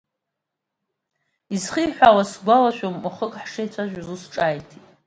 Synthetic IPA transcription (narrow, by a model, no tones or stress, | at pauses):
izχiːħʷawasɡʷalaʃᶣommʊχəkʼħʂejt͡ɕʷʰaʒᶣʷazusʈ͡ʂʼajtʰitʼ